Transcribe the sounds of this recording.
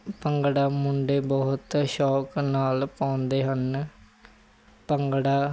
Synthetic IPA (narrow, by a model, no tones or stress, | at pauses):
pəŋɡɽaːmʊɳɖeːbɔːt̪ʃɔːknaːlpãːʊnd̪eːɦən | pəŋɡɽaː